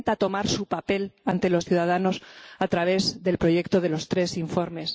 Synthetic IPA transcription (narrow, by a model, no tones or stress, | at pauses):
nt̪at̪o̞maɾsupape̞lant̪e̞lo̞sθjuðað̞anosat̪ɾaβ̞e̞zðe̞lpɾo̞ʝe̞kt̪oðe̞lo̞st̪ɾe̞siɱfo̞ɾme̞s